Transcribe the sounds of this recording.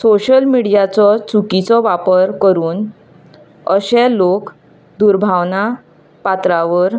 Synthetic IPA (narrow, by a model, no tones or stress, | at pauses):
soɕəlmiɽijat͡sɔt͡sukit͡sɔʋapəɾkəɾuːn | əɕɛlok | d̪uɾbʱaʋna | pat̪ɾaʋəɾ